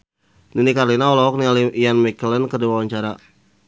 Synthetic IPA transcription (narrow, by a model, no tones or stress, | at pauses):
ninikarlinaɔlɔɔk̚nialijanmɛkələnkərduwawaɲt͡ʃaɾa